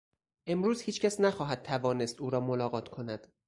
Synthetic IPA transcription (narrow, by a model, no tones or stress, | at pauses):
ʔe̞mɾuːz̥hiːt͡ʃcʰæsnæxɒːɦæd̪̚t̪ʰævɒːne̞st̪uːɾɒːmolɒːɣɒːt̪ʰkʰo̞næd̪̥